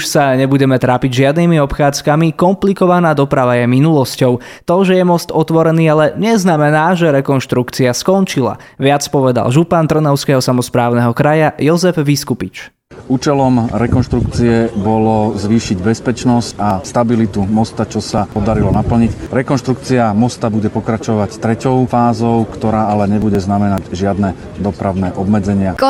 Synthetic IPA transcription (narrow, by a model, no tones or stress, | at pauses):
uʃsaɲɛbuɟɛmɛt̪ɾaːpiɟʒɪad̪niːmiɔpxaːt͡skamikɔmplikɔʋanaːd̪ɔpɾaʋajɛminulɔscɔʊ | t̪ɔʒɛjɛmɔst̪ɔt̪ʋɔɾɛniːalɛɲɛznamɛnaːʒɛɾɛkɔnʃt̪ɾukt͡siaskɔnt͡ʃila̰ | ʋɪat͡spɔʋɛd̪a̰lʒupant̪r̩nɔʊskɛɦɔsamɔspɾaːʊnɛɦɔkɾajajɔzɛfʋiskupit͡ʃ | uːt͡ʃɛlɔmɾɛkɔnʃt̪ɾuk̚t͡siɛbɔlɔzʋiːʃiɟbɛspɛt͡ʃnɔscast̪abilit̪umɔst̪at͡ʃɔsapɔd̪aɾilɔnapl̩ɲicɾɛkɔnʃt̪ɾukt͡siamɔst̪abuɟɛpɔkɾat͡ʃɔʋact̪ɾɛcɔʊfaːzɔʊkt̪ɔɾaːalɛɲɛbuɟɛznamɛnaɟʒɪad̪nɛ | d̪ɔpɾaʊnɛʔɔbmɛd͡zɛɲɪa